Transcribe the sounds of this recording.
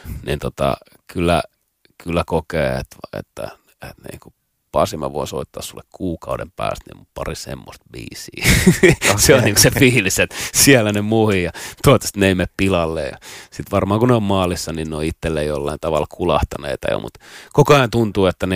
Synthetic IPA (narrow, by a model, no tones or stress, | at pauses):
nint̪ot̪ɑ̰ | kylːæ̰ | kylːækokeːḛt̪ḛt̪ːæ̰ | et̪nḭku | pɑsimɑ̰ʋo̰iso̰it̪ːɑːssulːekkʰuːkɑudempæ̰ːst̪nḭmupɑrisḛmːo̰st̪ʋḭːsiː | seonniːŋkosefiːliset̪siælːænemuhijɑt̪uɑt̪ːe̥st̪neimeppilɑlːḛjɑ̰sit̪ʋɑrmɑːŋkuneommɑːlisːɑninnoiit̪ːelːeijolːɑint̪ɑʋɑlkʰulɑht̪ɑnḛit̪ɑjo̰mṵt̪kokoɑent̪unt̪uːet̪ːæn